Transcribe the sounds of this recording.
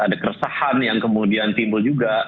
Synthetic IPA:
adakərəsahanjaŋkəmudiant̪imbuld͡ʒuɡa

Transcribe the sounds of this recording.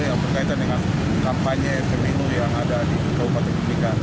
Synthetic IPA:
jaŋbərkait̪andəŋan | kampaɲefeminujaŋadadiʔukopat̪əkəlika

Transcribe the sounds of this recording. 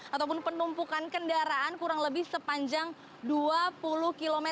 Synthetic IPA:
at̪awp̬ʊnpənumpukankəndaɾaːnkuɾaŋləbɪhsəpaɲd͡ʒaŋ | duapulʊhkilomɛ

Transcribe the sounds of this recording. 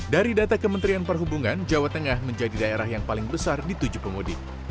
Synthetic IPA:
daɾidat̪akəmənt̪ɾianpərɦubuŋand͡ʒawat̪əŋahməɲd͡ʒadidaeɾaɦjaŋpalɪŋbəsardit̪ud͡ʒupəmodɪt̚

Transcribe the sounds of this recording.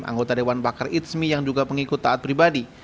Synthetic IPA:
mʔa̰ŋɡot̪adewanbakarit̪smijaŋd͡ʒuɡapəŋikʊt̪ːaːt̪̚pɾibadi

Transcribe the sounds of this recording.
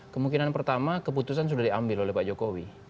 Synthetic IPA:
kəmuŋkinanpərt̪amakəp̬ut̪us̬ans̬udahdiambɪlolɛhpad͡ʒokowi

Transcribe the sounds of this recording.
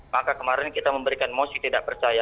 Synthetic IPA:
makakəmaɾɛnkit̪aməmbəɾikanmosit̪idaʔpərt͡ʃaja

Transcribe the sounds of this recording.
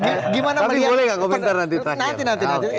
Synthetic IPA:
ɡiɡimanaãibolɛɡakom̃nt̪arnant̪̬it̪ɾaknãnt̪inãnt̪inãi

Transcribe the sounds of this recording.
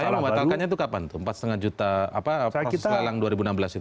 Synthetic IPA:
sajaməmbat̪alkanɲat̪ukapant̪ʊəmpat̪̚st̪əŋand͡ʒut̪aapaislalaŋduaɾibunambəlasit̪

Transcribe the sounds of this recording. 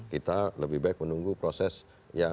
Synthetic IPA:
kit̪aləbɪhbaɪk̚mənuŋɡupɾosɛs | ja

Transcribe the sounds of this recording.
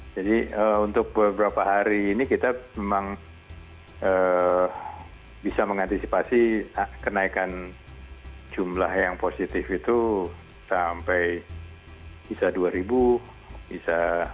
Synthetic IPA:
d͡ʒadiəunt̪ʊk̚bəbəɾapaɦaɾiːnikit̪amemaŋ | ə | bisaməŋant̪isipasikənaikan | d͡ʒumlahjaŋposit̪ɪfit̪u | sampɛj | bisaduaɾibu | bisa

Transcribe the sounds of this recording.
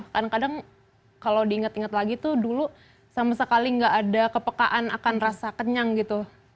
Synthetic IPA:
kadaŋkadaŋ | kalowdiːŋət̪iŋət̪laɡit̪udulu | samasəkaliŋɡaʔːdakəpəkaʔana̰kanrasakəɲaŋɡit̪u

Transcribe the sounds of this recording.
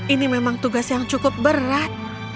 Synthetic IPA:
inimemaŋt̪uɡasjaŋt͡ʃukʊp̚bəɾat̪̚

